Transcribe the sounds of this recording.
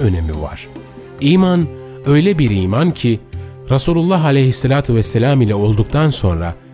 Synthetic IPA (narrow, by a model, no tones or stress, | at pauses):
ø̞ne̞mḭva̰ɾ̥ | iːman | ø̞jlʲɛbiɾiːmancʰi | ɾasuːlʲulˠːaɦalʲejhisːelʲaːt̪ʰuvɛsːelʲaːmilʲɛo̞lˠd̪uk̚t̪ʰanso̞nɾa̰